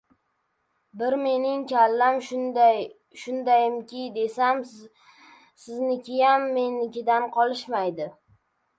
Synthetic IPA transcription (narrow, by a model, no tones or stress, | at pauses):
bɪɾme̞nɪŋkʲʰalːam | ʃʊnd̪ajɪmkʲʰɪd̪e̞sam | sɪznɪkʲʰɪjamːenɪkʲɪd̪anqʰɒlˠɪʃmajd̪ɪ